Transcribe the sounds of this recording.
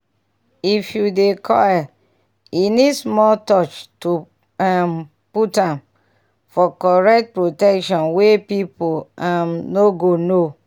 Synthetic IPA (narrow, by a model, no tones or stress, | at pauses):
ifjudekʰɔj | inidsmɔtɔt͡ʃtu | am | putãm | fɔkɔɹɛk̚t̚pɹotɛkʃɔ̃nwepipoamnoɡono